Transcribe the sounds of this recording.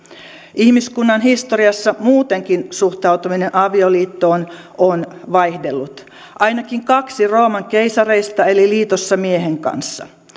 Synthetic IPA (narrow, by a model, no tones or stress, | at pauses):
ihmiskunːɑnɦist̪o̞ɾiɑsːɑmuːt̪e̞ŋkinsuxt̪ɑut̪umine̞nʔɑʋioliːt̪ːo̞ːn | onʋɑjhdelːut̪ | ʔɑjnɑkiŋkɑksiro̞ːmɑŋkejsɑre̞jst̪ɑe̞liliːt̪osːɑmieɦeŋkɑ̰nsːɑ̰